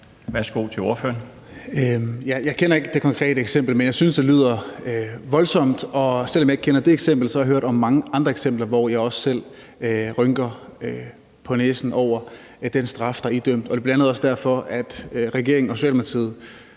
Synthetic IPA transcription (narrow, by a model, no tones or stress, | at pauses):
ʋæɐsɡ̥o̝̰t͡sʰe̝o̝ɐføːɐn | øjæjɑ̈ɪkʰenɐe̝ɡ̥əd̥e̝kʰɒ̽ŋkʰʁɛ̰ːɾəeɡ̥sem̰b̥l̩menjɑ̈ɪsynsd̥e̝lið̞̰ˠɐ | ʋɒ̽lsɒ̽m̰d̥ɒ̽sel̰ɒmjɑ̈ɪɡ̥̚kʰenɐd̥e̝eɡ̥sem̰b̥l̩sɒhɑhøɐɾ̥ɒ̽mːɑ̈ŋəʔɑ̈nd̥ʁɐeɡ̥sem̰b̥lɐʋɒjɑ̈ɪɒ̽ssel̰ | øʁœŋɡ̥ɐø | pʰɒ̽neːsn̩ʔɒʊ̰ɐ | d̥ensd̥ʁɑ̈fd̥ɑ̈id̥øm̰d̥ɒ̽d̥e̝b̥lænəð̩ˠɒ̽sd̥æɐfɒ̽ʔæd̥ʁɛɡ̥e̝ɐeŋn̩ɒso̝ɕɛ̰lmpɐt͡sʰiðˠ